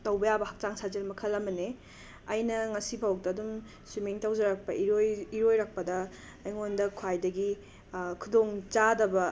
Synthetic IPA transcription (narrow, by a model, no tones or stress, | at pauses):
tɐwbɐjabɐhak̚t͡ʃaŋsʰazelmɐkʰɐlɐmɐne | ɐjnɐŋɐsibʱawk̚tɐːdum | simiŋtawd͡ʒɐɾɐk̚pɐʔiɾojiɾojɾɐk̚pɐdɐː | jŋondɐkʰwajdɐɡi | kʰudoŋt͡ʃadɐbɐ